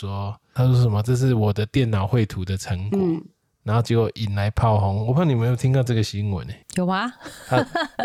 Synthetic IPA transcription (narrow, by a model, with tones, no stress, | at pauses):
swɔ˦t̪ʰa˥sɔ˥ʂə˨˦mɐ˨t͡sɤ˥˧ʂ̬ɻ̩˥˨wɔ˨˩d̪ə˦t̪jɛ˥˨nːa˨˩ʊxwe˥˨ɪt̪ʰu˨˦d̪ə˨t͡sʰə˧˦ŋkwɔ˨˦ | na˨˦nho˥˩ʊt͡ɕjwo˨˧˩ʔi˨˩nla˨˦ɪpʰa˥˨ʊɦɔ˧˦ŋwɔ˨˩pʰni˨˩ə˨˦njo˥˨˩t̪ʰi˦ŋnt̪ɑ˥˧ʊʈ͡ʂə˥˩ɡə˨ɕi˧˥ŋwə̰˨˦ne˨˦jo˨˩ʊma˨a˦